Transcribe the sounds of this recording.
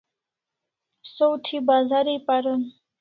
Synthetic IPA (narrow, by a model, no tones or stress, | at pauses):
sowt̪ʰibazaɾipaɾun